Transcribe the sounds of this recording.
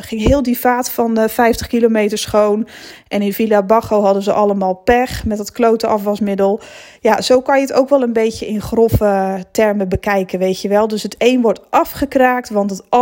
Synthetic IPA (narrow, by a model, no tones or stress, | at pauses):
xɪŋɦɪːlˠdifaːtfɑnfɛjftəχkilomejtəɹsχown | ʔɛnɪnfilabɑxowɦɑdəzəʔɑlˠəmaːlˠpɛxmɛtətklowtəʔɑfʋɑsmɪdəlˠ | jaz̥owkɑnjəəto̰wkʋɛlˠənbejtəɪnχrofətɛrməbəkɛjkənʋejtjəʋɛlˠdøsɦətejnʋɔrtʔɑfχəkraːk̚tʋɑntət